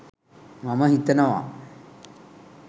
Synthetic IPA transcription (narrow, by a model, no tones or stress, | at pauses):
maməɦit̪ɐnɐʋa̰